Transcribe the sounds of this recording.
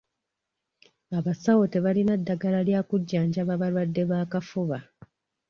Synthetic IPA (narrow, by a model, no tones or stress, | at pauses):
aβasawote̞βalinadːaɡalaljaːkuɟːaːɲɟaβaβalwadːe̞βaːkafuβa